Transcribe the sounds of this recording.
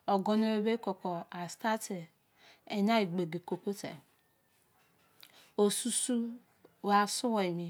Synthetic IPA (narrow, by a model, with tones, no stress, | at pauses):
ɔ˨ɡɔ˦no˦e˦be˦kɔ˨kɔ˨a˨sta˦ti˨ | e˨ɲa˦i˨ɡ͡be˨ɡe˨ko˨ko˦tḛ˨ | o˨su˦su˦ | wa˨su˦wa˨i˨mi˨